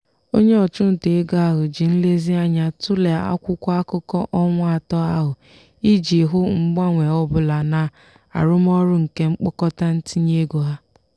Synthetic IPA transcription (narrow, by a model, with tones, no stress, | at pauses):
o˦ɲe˦ɔ˨t͡ʃʊ˦n̩˨te˨e˦ɡa˦a˦ɦʊ˨d͡ʒi˨n̩˦le˦zi˦a˦ɲa˦tʊ˦le˨a̰˦kʷʊ˦kʷa˦a˦kʊ˦kɔ˦ʔɔ˦ŋʷ˦a˨tɔ˦a˦ɦʊ˨ | i˦d͡ʒi˨ɦʊ˦ŋ͡m̩˦ɡ͡ba˦ŋʷe˨ɔ˦bʊ˨la˨na˨ | a̰˨ɾʊ˦m˦ɔ˦ɾʊ˦ŋ̩˨ke˦ŋ͡m̩˦k͡pʊ˦kɔ˦ta˦n̩˦ti˦ɲe˦ɡo˨ɦa˦